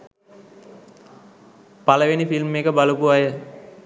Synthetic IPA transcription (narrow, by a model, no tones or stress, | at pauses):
paləʋenifilmekəbalupuajə